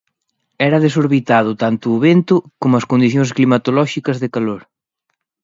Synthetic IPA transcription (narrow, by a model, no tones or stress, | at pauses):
ɛɾɐðes̬oɾβit̪aðʊt̪ant̪ʊːβent̪ʊkomʊɐskond̪iθjõŋsklimat̪olɔʃikɐzðekaloɾ